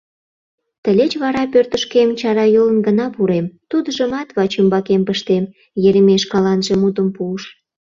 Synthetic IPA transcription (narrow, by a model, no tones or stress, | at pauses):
t̪əlʲet͡ɕβɑɾɑpørt̪əʃkemt͡ɕɑɾɑjolənɡənɑpuɾemt̪ud̪əʒəmɑt̪βɑt͡ɕymbɑkempəʃt̪em | jeɾemeʃkɑlɑnʒemut̪əmpuəʃ